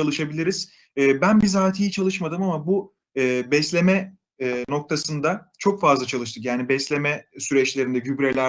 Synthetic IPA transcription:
alˠɯʃabilʲiɾiz̥ː | bænbizaːt̪ʰijit͡ʃʰalˠɯʃmad̪ɯmamabu | ɯːbɛslʲe̞mɛː | no̞k̚t̪ʰasɯnd̪at͡ʃʰo̞kfazlˠat͡ʃʰalˠɯʃ̬t̪ʰɯkjaːnibɛslʲe̞mɛsyɾɛt͡ʃlʲe̞ɾind̪ɛɟybɾelʲæ

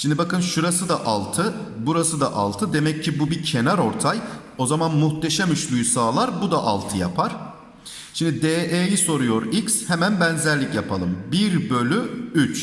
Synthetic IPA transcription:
ʃimd̪ibakɯnʃuɾasɯd̪aʔalˠt̪ʰɯ | buɾasɯd̪aʔa̰lˠt̪ʰɯd̪e̞mɛccʰːibubicʰe̞naɾo̞ɾt̪ʰaj | o̞zamanmuxt̪ʰe̞ʃæmyt͡ʃlʲˠujsaːlˠaɾbud̪aʔa̰lˠt̪ʰɯja̰pʰaɾ̥ | ʃimd̪id̪eːʔeːjiso̞ɾujo̞ɾicshemænbænzæɾlʲicjapʰalˠɯmbiɾbø̞lʲyyt͡ʃ

